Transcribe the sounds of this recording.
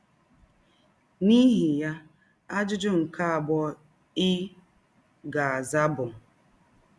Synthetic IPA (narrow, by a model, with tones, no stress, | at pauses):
ni˦ɦi˨ja˦ | a˦d͡ʒʊ˦d͡ʒʊ˦ŋ̩˨ka˦a˨bɔ˦ | ɪ˦ | ɡa˨a˨za˦bʊ˨